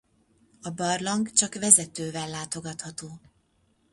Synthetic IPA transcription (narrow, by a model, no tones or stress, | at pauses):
ɒbɒrlɒŋɡt͡ʃɒkʋɛzɛt̪øːvɛlːaːt̪o̞ɡɒt̪hɒt̪oː